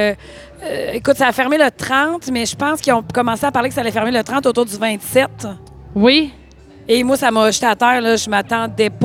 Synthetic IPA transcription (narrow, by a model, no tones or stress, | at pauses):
øekʊt̪saːfɛʁmelət̪ʁɑ̃t̪mɛʒəpɑ̃skʲiɔ̃kɔmɑ̃seapaʁlekə̥salɛfɛʁmelət̪ʁɑ̃t̪oːt̪uːʁd̪zyvɛ̃t̪sɛt̪ | wi | emwasamɔʃt̪at̪ɛːʁlʌʒəmat̪ɑ̃d̪ɛp